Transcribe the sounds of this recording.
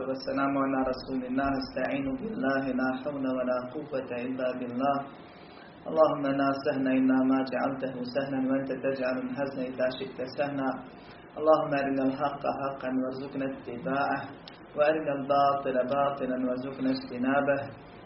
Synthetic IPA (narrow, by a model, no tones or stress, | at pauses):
wasːalaːmʊʕalaːɾˤɑsuːlɪnːaːhast̪aʕiːnʊbɪlːaːɦɪlaːħawnawalaːqʊwːat̪aʔɪlːaːbɪlːaːh | ʔɑlˤːɑːhʊmːaʔnaːsahnaːʔɪnːaːmaːd͡ʒaʕa̰lt̪aɦʊsahlanwaʔant̪at̪ad͡ʒʕalanɦaznaʔɪðaːʃɪʔt̪asahnaː | ʔɑlˤːɑːhʊmːaʔaɾɪnalħɑqːɑ̰ħɑqːɑnwɑɾˤzʊqnat̪ːɪbaːʕah | waʔaɾɪnalbɑːt̪ˤɨlabɑːt̪ˤɨlanwɑɾˤzʊqnad͡ʒt̪ɪnaːbah